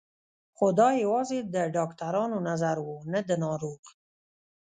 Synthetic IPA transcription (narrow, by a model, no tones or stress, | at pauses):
xod̪ɑjawɑzed̪əɖɑkt̪aɾɑnonazaɾwunad̪ənɑɾoɣ